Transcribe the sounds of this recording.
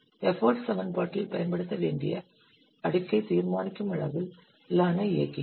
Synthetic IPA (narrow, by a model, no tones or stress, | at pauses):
ɛfoːɾɖsɐʋɐnpaːʈːɪlpɐjɐnpɐɽɯt̪ːɐʋeːɳɖɪ̰jɐ | ɐɽɪkːɐɪt̪iːɾmaːnɪkːɯmɐɻɐʋɪl | lːaːnɐɪjɐ̰kːi